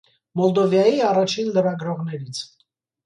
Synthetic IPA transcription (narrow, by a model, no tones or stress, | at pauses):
mɔld̪ɔvjɑjiɑrɑt͡ʃʰinləɾɑɡɾɔʁnɛɾit͡sʰ